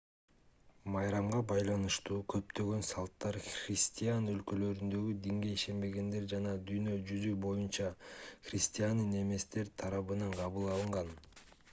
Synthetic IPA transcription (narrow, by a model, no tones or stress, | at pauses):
mɑjɾɑmʁɑbɑjlˠɑnɯʃt̪uːkʰø̞pt̪ø̞ɡø̞nsɑlˠt̪ːɑɾχrʲɪsʲt̪ʲijanø̞lkø̞lø̞ɾynd̪ø̞ɡyd̪iŋɡe̞iʃe̞nbe̞ɡe̞nd̪e̞ɾd͡ʒɑnɑd̪yjnø̞d͡ʒyzybo̞junt͡ʃɑχrʲɪsʲt̪ʲijanːɯne̞me̞st̪e̞ɾt̪ʰɑɾɑβɯnɑɴqʰɑβɯlˠɑlˠɯɴʁɑn